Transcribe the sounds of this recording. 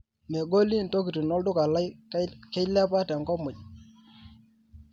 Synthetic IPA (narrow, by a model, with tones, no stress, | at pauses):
me˨ɡo˦li˦˨n˨to˦ki˨ti˨nɔ˦ldʊ˦ka˨la˦jkɛ˦lɛ˦pa˦tɛ˨ŋkɔ˦mʊ˨d͡ʒ